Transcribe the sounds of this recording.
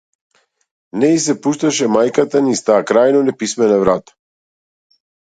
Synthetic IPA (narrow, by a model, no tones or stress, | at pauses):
nɛis̬ɛpuʃt̪aʃɛmajkat̪anist̪aːkɾajnonɛpismɛnavɾat̪ḁ